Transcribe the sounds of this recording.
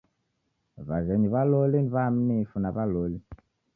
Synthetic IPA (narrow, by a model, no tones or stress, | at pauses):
vazeɲiβalolinβam̩nifunaβaloli